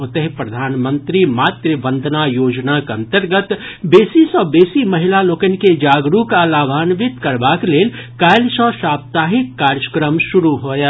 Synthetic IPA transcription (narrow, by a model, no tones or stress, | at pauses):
ʊt̪əɦpɾɐd̪ʱaːnmə̃nt̪ɾimaːt̪ɾəbə̃nd̪ʱnajoːd͡ʒnakɐ̃nt̪əɾɡət̪ | beːsisɔːbeːsimɐɦɪlaloːkən̆ked͡ʒaːɡɾukalaːbʱaːnʋɪt̪kɐɾbaːkleːlkaːjlsɔ̃ːʃaːp̚t̪aːɦɪkːaːɾjəkɾəmʃʊɾuɦoːja